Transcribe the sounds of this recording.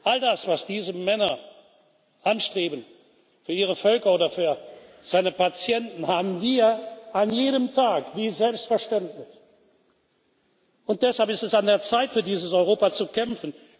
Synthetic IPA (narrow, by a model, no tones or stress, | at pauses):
ʔaldasv̥asd̥iːzəmɛnɐ | ʔanʃtʁ̥eːbən | fyːɐʔiːʁəfœlkɐoːdɐfyːɐ | z̥aɪnəpat͡sjɛntn̩haːbn̩viːɐʔanjeːɾəmtʰaːkviːzɛlpstfɛɐʃtɛntlɪç | ʔʊnt̚d̥ɛshalpɪstɛsandeːɐt͡saɪtfyːɐdiːzəsɔʏʁ̞oːpat͡sukɛmfn